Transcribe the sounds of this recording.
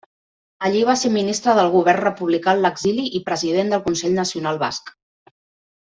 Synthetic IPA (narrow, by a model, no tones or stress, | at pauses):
əʎiβ̞aseminist̪ɾəðəlˠɣ̞uβɛrnrəpuβlikaləɡziliʔipɾəziðend̪əlˠkunsɛʎnəsiunalˠβa̰sk